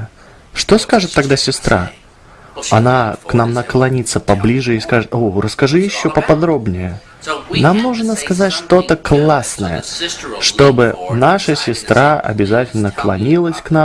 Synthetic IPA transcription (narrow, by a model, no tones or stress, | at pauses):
ʂt̪o̞skaʐɨt̪ːɐɡd̪asʲɪst̪ɾʔa̰ | ɐnaknamnəklˠɐnʲit̪səpɐblʲiʐɨiskaʐɨt̪orəskɐʐɨjɪɕːo̞pəpɐd̪ɾo̞bnʲɪjə | namnuʐnəskɐzatʲʂt̪o̞t̪əklˠasnə̰jə̰ʂt̪o̞bɨnaʂəsʲɪst̪ɾʔaɐ̰bʲɪzatʲɪlʲnəklˠɐ̰nʲilˠəsʲknam